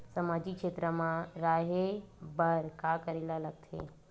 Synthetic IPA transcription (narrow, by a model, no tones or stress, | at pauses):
sɐmaːd͡ʒikʃeːt̪ɾəmãɾaːɦebəɾkakəɾilalɐɡ̚t̪ʰḛ